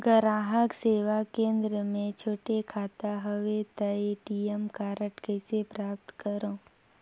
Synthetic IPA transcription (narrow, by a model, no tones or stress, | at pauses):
ɡəɾaːɦəkseːʋakẽːnd̪ɾəmẽt͡ʃʰoːʈekʰaːt̪aɦɐʋet̪ɐeʈiemkaːɾəʈkəɪsepɾaːp̚t̪kəɾõː